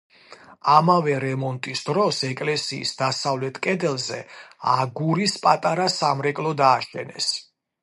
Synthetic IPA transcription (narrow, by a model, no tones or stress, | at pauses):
amavɛɾɛmɔnt̪ʼisd̪ɾɔsɛkʼlɛsḭːsd̪asavlɛt̪ʰkʼɛd̪ɛlˠzɛ̰aɡuɾispʼat̪ʼaɾasamɾɛkʼlˠɔd̪aːʃɛ̰nɛ̰s